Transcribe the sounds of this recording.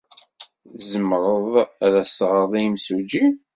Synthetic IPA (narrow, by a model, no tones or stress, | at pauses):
zəmɾˤəðˤæðæsʁəɾðˤijimsud͡ʒi